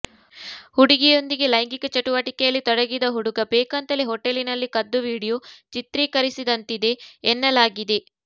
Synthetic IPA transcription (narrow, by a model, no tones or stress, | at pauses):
huɽiɡijo̞nd̪iɡe̞lɐjŋɡikɐt͡ʃɐʈuʋɐʈikɛjɐlːit̪ɔɽɐɡid̪ɐɦuɽuɡɐbeːkɐnt̪ɐleɦɔʈːelinɐlːikɐd̪ːuʋiːɽijut͡ʃit̪ɾiːkɐɾisid̪ɐnt̪id̪e̞ːnːɐlaːɡid̪e